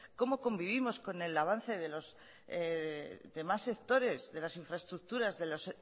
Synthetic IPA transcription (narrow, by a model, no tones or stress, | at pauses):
ko̞moko̞mbiβ̞imo̞sko̞ne̞laβ̞anθe̞ðe̞lo̞z | ed̪e̞masːe̞kt̪o̞ɾe̞zðe̞lasiɱfɾaest̪ɾuk̚t̪uɾazðe̞los